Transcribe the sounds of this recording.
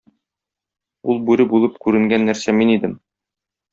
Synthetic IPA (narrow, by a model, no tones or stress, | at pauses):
ulˠbʉɾɘbulˠɤpkʉɾɘ̆ŋɡænːæɾsæminid̪ɘm